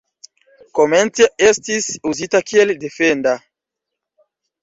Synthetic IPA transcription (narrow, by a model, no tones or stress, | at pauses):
komẽnt̪jaest̪isuzit̪akield̪efend̪a